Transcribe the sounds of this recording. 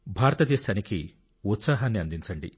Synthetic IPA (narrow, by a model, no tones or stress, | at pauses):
bʱaːɾɐt̪ɐd̪eːʃaːniki | ut̪saːɦaːnːiɐnd̪iɲt͡ʃɐɳɖḭ